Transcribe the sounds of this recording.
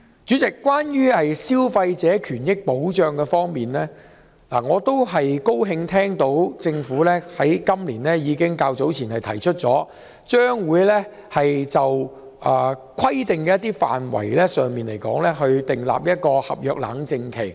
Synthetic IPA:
t͡syː˨˥t͡sɪ˨kːwaː˥njyː˥hɐ˨jsiː˥wfɐ˧jt͡sɛː˨˥kʰyː˨˩njɪ˥k̚po˨˥wt͡ʃœː˧ŋkɛ˧fɔː˥ŋmiː˨nlɛː˥ | la̰ː˨˩ŋɔː˨˧t̪o˥wɦɐ˨jko˥wɦɪ˧ŋt̪ʰɛː˥ŋt̪o˨˥wt͡sɪ˧ŋfuː˨˥lɛː˥hɐ˨˥jkɐ˥mliː˨˩nlɛː˥jiː˨˧kɪ˥ŋkaː˧wt͡so˨˥wt͡sʰiː˨˩nhɐ˨jt̪ʰɐ˨˩jt͡ʃʰɵ˥t̚t͡sɔː˨˥ | t͡ʃœː˥ŋwuː˨˧jlɛ˥ | hɐ˨jt͡sɐ˨w | ʔɐː˨˩kʰɐ˥jt̪ɪ˨ŋkɛː˧jɐ˥t̪ːiː˥fa̰ː˨nwɐ̰˨˩jlɛː˥sœː˨ŋmiː˨nle˨˩jkɔ̰ː˨˥ŋlɛ˥ɦɵ˧ɥt̪ɪ˨ŋla̰ː˨p̚jɐ˥t̚kɔː˧hɐ̰˨p̚jœː˨k̚la̰ː˨˧˥ŋt͡sɪ˧ŋkʰe˨˩j

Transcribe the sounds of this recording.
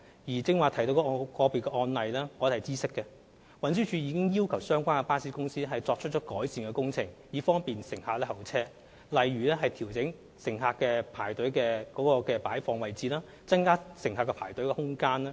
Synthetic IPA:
jiː˨˩t͡sɪ˧ŋwaː˨˩t̪ʰɐ˨˩jt̪o˧wkɔ˧˥˧kɔː˧piː˨kɛ˧ʔɔː˧nlɐ˨jlɛː˥wɔː˨˥hɐ˨˩t͡siː˥sɪ˥kːɛ˧ | wɐ˨˥nsyː˥t͡ʃʰyː˨˧jiː˨˧˥kɪ˥ŋjiː˥wkʰɐ˨˩wsœː˥ŋkʷaː˥nkɛ˧paː˥siː˨˥kʊ˥ŋsiː˥hɐ˨jt͡sɔː˧k̚t͡ʃʰt̚t͡ʃɔː˨˥kɔː˨˥jsiː˨nkɛ˧kʊ˥ŋt͡sʰɪ˨˩ŋjiː˨˧fɔː˥ŋpiː˨nsɪ˨˩ŋhaː˧k̚lɛː˥hɐ˨˩wt͡sʰɛː˥ | lɐ˨jɥyː˨˩lɛ˥ɦɐ˨jt̪ʰiː˨˩wt͡sɪ˨˥ŋ | sɪ˨˩ŋɦaː˧kːɛː˧pʰaː˨˩jt̪ɵ˨˥ɥkɛː˧kɔː˨˥kɔː˧kɛː˧paː˨˥jfɔː˧ŋwɐ˨jt͡siː˨laː˥ | t͡sɐ˥nkaː˥sɪ˨˩ŋɦaː˧kːɛ˧pʰaː˨˩jt̪ɵ˨˥ɥkɛ˧hʊ˥ŋkaː˥naː˥

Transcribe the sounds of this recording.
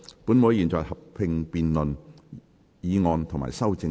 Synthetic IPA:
puː˨˥nmo˨˧˥jiː˨˩nt͡ʃɔː˨jhɐ˨p̚pʰɪ˧ŋpiː˨nlɵ˨n | jiː˨˧ŋɔː˧nt̪ʰʊ˨˩ŋma̰ː˨˩jsɐ˥wt͡sɪ˧

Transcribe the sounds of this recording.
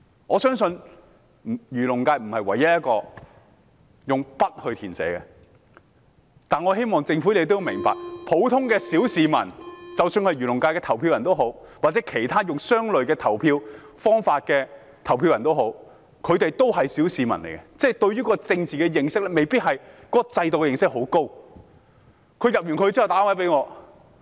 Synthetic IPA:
ŋɔː˨˧sœː˥ŋsɵ˧n | m̩˨˩jyː˨˩lʊ˨˩ŋkaː˧jm̩˨˩hɐ˨jwɐ̰˨˩jɐ˥t̚jɐ˥kɔː˧ | jʊ˨ŋpɐ˥t̚hɵ˧ɥt̪ʰiː˨˩nsɛ̰ː˨˥kɛ˧ | t̪aː˨nŋɔː˨˧ɦe˥jmɔː˨ŋt͡sɪ˧ŋfu˨˥le˨˧t̪o˥jmɪ̰˨˩ŋpa̰ː˨k̚pʰo˨˥wt̪ʰʊ˥ŋkɛː˧siː˨˥wsiː˨˧mɐ̰˨˩nt͡sɐ˨wsyː˧nhɐ˨jɥyː˨˩lʊ˨˩ŋkaː˧kɛː˧t̪ʰɐ˨˩wpʰiː˧wjɐ˨nt̪o˥wɦo˨˥wwaː˨˩t͡sɛː˨˥kʰe˨˩jt̪ʰaː˥jʊ˨ŋsœː˥ŋlɵ˨ɥkɛː˧t̪ʰɐ˨˩wpʰiː˧w | fɔː˥ŋfaː˧t̚kɛː˧ | t̪ʰɐ˨˩wpʰi˧wjɐ˨nt̪o˥wɦo˨˥w | kʰɵ˨˧ɥt̪e˨jt̪o˥wɦɐ˨jsiː˨˥wsiː˨mɐ˨˩nlḛ˨˩jkɛ˧t͡sɛ˥˩t̪ɵ˧ɥyː˥kɔː˧t͡sɪ˧ŋt͡siː˨˩kɛ˧jɪ˨˧ŋsɪ˥k̚lɛ˥me˨jpiː˥t̚ɦɐ˨jkɔː˨˥kɔ˧t͡sɐ˧jt̪o˨kɛ˧jɪ˨ŋsɪ˥k̚ɦo˨˥wko˥w | kʰɵ˨˧ɥjɐ˨p̚jyː˨˩nkʰɵ˨˧ɥt͡siː˥hɐ˨wt̪aː˨˥wɐ˨˥jp̬e˨˥jŋɔː˨˧

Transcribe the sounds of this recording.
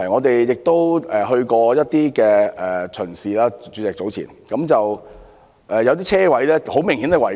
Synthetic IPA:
ŋɔː˨˧t̪e˨jjɪ˨k̚t̪o˥wʔɛː˨ɦɵ˧ɥkɔː˧jɐ˥t̚t̪iː˥kɛː˧ʔɛː˨t͡ʃʰɵ˨˩nsiː˨laː˥t͡ʃyː˨˧˥t͡sɛː˨k̚t͡so˨˥wt͡sʰḭ˨˩nkɐ˨˥mt͡sɐ˨w | ʔɛː˨jɐ˨˧wt̪iː˥t͡sʰɛː˥wɐ˨˥jlɛː˥ho˨˥wmɪ˨˩ŋhi˨˥nɛ˨˧wɐ˨˩

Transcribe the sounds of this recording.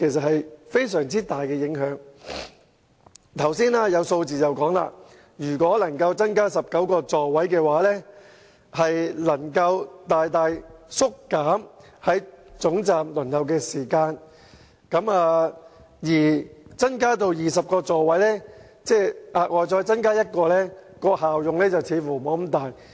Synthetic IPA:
kʰe˨˩js̬ɐ˨t̚hɐ˨jfe˥jsœː˨˩ŋt͡siː˥t̪aː˨jkɛː˧jɪ˨˧˥ŋɦœː˨˥ŋ | t̪ʰɐ˨˩wsiː˥naː˥jɐ˨˧wso˧wt͡siː˨t͡sɐ˨wkɔː˨˥ŋla̰ː˧ | jyː˨˩kʷɔː˨˥lɐ˨˩ŋkɐ˧wt͡sɐ˥nkaː˥sɐ˨p̚kɐ˨˥wkɔː˧t͡sɔː˨˧wɐ˨˥jkɛː˧waː˨˥lɛː˥ | hɐ˨jlɐ˨˩ŋkɐ˧wt̪aː˨jt̪aː˨jsʊ˥kːaː˨˥m | hɐ˨˥jt͡sʊ˨˥ŋt͡saː˨mlʊ˨˩nhɐ˨wkɛː˧siː˨˩kaː˧n | kɐ˨˥maː˨˧ | jiː˨˩t͡sɐ˥nkaː˥t̪̬o˧wjiː˨sɐ˨p̚kɔː˧t͡sɔː˨˧wɐ˨˥jlɛː˥ | t͡sɛː˥˩ʔaː˨ʔɔː˨˧t͡sɔː˧jt͡sɐ˥nkaː˥jɐ˥t̚kɔː˧lɛː˥kɔː˧haː˨wjʊ˨ŋlɛː˥t͡sɐ˨wt͡sʰiː˨˧˥fuː˨˩mɔː˨˥m̩˨˦t̪aː˨j

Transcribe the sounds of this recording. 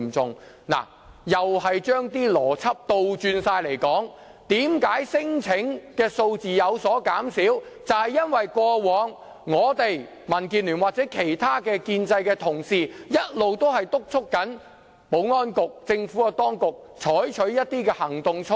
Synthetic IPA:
mt͡sʊ˨ŋ | na̰ː˨˩ | jɐ˨whɐ˨jt͡ʃœː˥ŋt̪iː˥lɔː˨˩t͡sʰɐ˥p̚t̪o˧wt͡ʃyː˧nsaː˧jle˨˩jkɔː˨˥ŋ | t̪iː˨˥mkaː˨˥jsɪ˥ŋt͡sʰɪ˨˥ŋkɛː˧so˧wt͡siː˨jɐ˨˧wsɔː˨˥kaː˨˥msiː˨˥wt͡sɐ˨whɐ˨jɐ˥nwɐ˨jkʷɔː˧wɔː˨˧ŋː | ɔː˨˧t̪e˨j | mɐ˨˩nkiː˨nlyː˨˩nwaː˨k̚t͡sɛː˨˥kʰe˨˩jt̪ʰaː˥kɛː˧kiː˧nt͡sɐ˧jkɛː˧t̪ʰʊ˨˩ŋsiː˨jɐ˥t̚lo˨wt̪o˥wɦɐ˨jt̪ʊ˥k̚t͡sʰʊ˥kːɐ˨˥n | po˨˥wŋɔː˥nkʊ˨k̚t͡sɪ˧ŋfuː˨˥kɐ˧t̪ɔː˥ŋkʊ˨k̚ | t͡ʃʰɔː˨˥jt͡ʃʰɵ˨˥ɥjɐ˥t̚t̪iː˥kɛː˧hɐ˨˩ŋt̪ʊ˨ŋt͡sʰʊ˥

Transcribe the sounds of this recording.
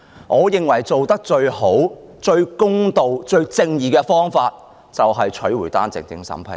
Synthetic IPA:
ŋʔɔː˨˧jɪ˨ŋwɐ˨˩jt͡so˨wt̪ɐ˥k̚t͡ʃɵ˧ɥho˨˥w | t͡ʃɵ˧ɥkʊ˥ŋt̪o˨wt͡ʃɵ˧ɥt͡sɪ˧ŋjiː˨kɛː˧fɔː˥ŋfaː˧t̚ | t͡sɐ˨wɦɐ˨jt͡ʃʰɵ˨˥ɥwu˨˩jt̪aː˥nt͡sɪ̰˨ŋtɪ̰˨˥ŋsɐ̰˨˥mpʰɐ̰˨˩

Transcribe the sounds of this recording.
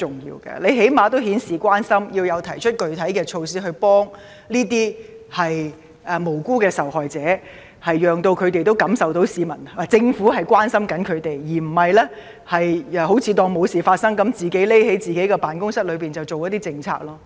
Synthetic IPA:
ʊ˨ŋjḭː˧wkɛ̰ː˧le˨˧jɦe˨˥jmaː˨˧t̪o˥whiː˨˥nsiː˨˩kʷwaː˥nsɐ˥mjiː˧wjɐ˨˧wt̪ʰɐ˨˩jt͡ʃʰɵ˥t̚kɵ˨ɥt̪ʰɐ˨˥jkɛː˧t͡ʃʰo˧wsiː˥ɦɵ˧ɥpɔː˥ŋ | liː˥t̪̬iː˥hɐ˨j | ʔɛː˨˩mo˨˩wkuː˥kɛː˧sɐ˨whɔː˨jt͡sɛː˨˥ | hɐ˨jːœː˨ŋt̪o˧wkʰɵ˨˧ɥt̪̬e˨jt̪o˥wkɐ˨˥msɐ˨wt̪o˨˥wsiː˨mɐ˨˩n˨t͡sɪ˧ŋfu˨˥ɦɐ˨jkʷwaː˥nsɐ˥mkɐ˨˥nkʰɵ˨˧ɥt̪e˨jjiː˨˩m̩˨˩hɐ˨jlɛː˥ | hɐ˨jɛ˨˩ho˨˥wt͡sʰiː˨˧t̪ɔː˧ŋmo˨˧wsiː˨˩faː˧t̚sɐ˥ŋkɐ˨˥mt͡siː˨˩ke˨˥le˥he˨˥jt͡siː˨ke˨˥jkɛː˧paː˨˩nkʊ˥ŋsɐ˥t̚lɵ˨˧piː˨nt͡sɐ˨˩wt͡so˨wjɐ˥t̪̚iː˥t͡sɪ˧ŋt͡sʰa̰ː˧k̚lɔː˥

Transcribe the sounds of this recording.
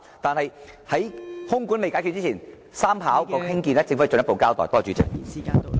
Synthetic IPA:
t̪aː˨˧nhɐ˨j | hɐ˨˥jhʊ˥ŋkʷu˨˥nme˨jkaː˨˥jkʰy˧t̚t͡siː˥˨˩n | saː˥mpʰa̰ː˨˥wkɔː˧khɪ˥ŋkiː˧nɛ˥˩t͡sɪ˧ŋfu˧˥˨jt͡sɵ˨njɐ˥po˨˧wkaː˥wt̪ɔ̰ː˨jt̪ɔː˥t͡ʃyː˨˥t͡sɪ̰˨k̚ː

